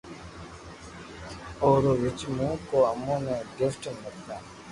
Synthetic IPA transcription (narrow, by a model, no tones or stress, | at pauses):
oːɾoʋɪt͡ʃmũːkoːəmũːnẽːɡɪfʈmɪknaː